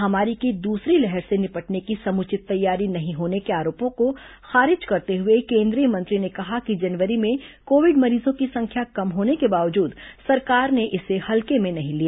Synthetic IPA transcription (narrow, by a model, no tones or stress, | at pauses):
ɦɐmaːɾikid̪uːsɾilɛɦɛɾsenɪpəʈnekisɐmʊt͡ʃɪt̪ːɐjːaːɾinɐɦĩɦoːnekeaːɾoːpõko | xaːɾɪd͡ʒkɐɾt̪eɦʊekẽːnd̪ɾijəmɐ̃nt̪ɾinekɐɦakid͡ʒɐnʋəɾimẽkoːʋɪɖmɐɾiːzõkisɐ̃ŋkʰjakɐmɦoːnekebaːʋəd͡ʒuːd̪sɐɾkaːɾneʔɪsehɐlkemẽnɐɦĩlia